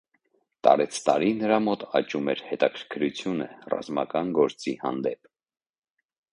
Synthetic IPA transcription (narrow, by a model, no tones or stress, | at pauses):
t̪ɑ̰ɾɛt͡sʰt̪ɑɾinəɾɑmɔt̪ɑt͡ʃumɛɾhɛt̪ɑkʰəɾkʰəɾut͡sʰjunə̰rɑ̰zmɑkɑnɡɔɾt͡sihɑ̰nd̪ɛp